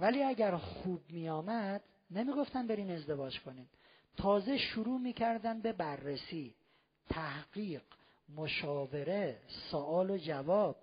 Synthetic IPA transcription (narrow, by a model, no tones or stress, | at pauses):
væliːæɟæɾxuːb̚mijɒːmæd̪̥ | nemiːɡo̞ft̪æmbe̞ɾiːne̞zd̪e̞vɒːd͡ʒkʰo̞niːm | t̪ʰɒːzeʃuɾuːmiːcʰæɾd̪ænbe̞bærːesiː | t̪ʰæhɢ̥iːɢ | moʃɒːve̞ɾesoʔɒːlod͡ʒævɒːb̥̚